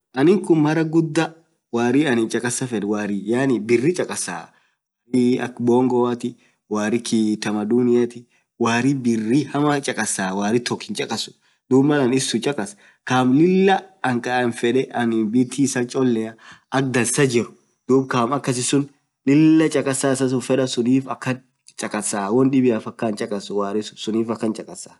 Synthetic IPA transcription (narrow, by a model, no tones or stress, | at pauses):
ʔɐnɪŋkʊnmɐɾɐɡʊd̪ːɐ | waːɾiɐnɪnt͡ʃʼɐkʼɐsɐfɛᶑɛwaːɾijaːnɪbɪrːɪt͡ʃʼɐkʼɐsa̰ː | waɾiɐ̰kbɔːŋɡɔwɐt̪ɪ | waːɾɪkʰiːt̪ɐmɐd̪unɪjat̪ɪ | waːɾibɪrːɪhɐmɐt͡ʃʼɐkʼɐsaːwaːɾɪt̪ɔkːɪnt͡ʃʼɐkʼɐsʊ̥ | d̪uːbmɐlɐnɪsːʊt͡ʃʼɐkʼɐs | kaːmlɪlːɐɐŋkʼɐʔɐnfɛᶑɛɐnɪbɪt̪ʰiːsɐt͡ʃʼɔlːɛɐʔɐk̚d̪ɐlsɐd͡ʒɪɾʊ | d̪̥uːbkaːmɐkːɐs̬ɪsʊn | lɪlːɐt͡ʃʼɐkʼɐsaːsɐs̬ʊfɛᶑɐsʊniːfɐkːɐn | t͡ʃʼɐkʼɐsːaːwɔnᶑɪbɪjaːfɐkːɐnt͡ʃʼɐkʼɐswaːɾɪsʊsʊniːfɐkːɐnt͡ʃʼɐkʼɐsḁː